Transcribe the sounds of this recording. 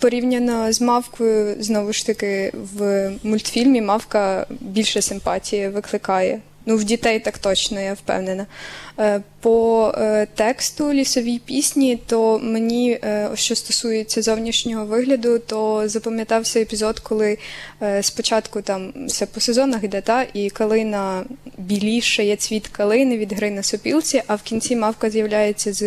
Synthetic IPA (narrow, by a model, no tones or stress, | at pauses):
pɔɾʲiwnʲɐnɔzmɑwkɔjʊznɔʋʊʃt̪ɐkɪwmʊlʲt̪fʲilʲmʲimɑwkɐbʲilʲʃɛsɪmpɑtʲijɛʋɪklˠɪkɑjɛ̰ | nuwdʲit̪ɛjt̪ɑkt̪ɔt͡ʃnɔjawpɛ̰wnenɐ | pɔ | t̪ɛkst̪ʊlʲisɔʋʲijpʲisʲnʲit̪ɔmenʲiɔ̰ʃt͡ʃɔst̪ɔsujet͡sʲːɐzɔwnʲiʃnʲɔɦɔʋɪɦlʲɐd̪ʊt̪ɔzɐpɐmjɐt̪ɑwsʲɛjepʲizɔd̪kʰɔlˠɪ | spɔt͡ʃɑt̪kʊt̪ɑmsɛpɔsezɔnɐɣd̪ɛt̪ɑʔikɐlˠɪnɐbʲilʲiʃɐjɛsʲʋʲit̪kɐlˠɪnɪʋʲid̪ɦɾɪnɐsɔpʲilˠt͡sʲiʔɐwkʲint͡sʲimɑwkɐzjɐwlʲajet͡sʲːɐz